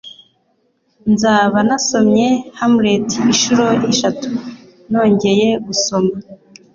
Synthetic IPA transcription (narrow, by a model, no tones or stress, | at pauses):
nzaːβanaso̞mɲe̞hamuɾetʰiiʃuɾo̞jiʃatu | no̞ːɲɟe̞je̞ɡuso̞ma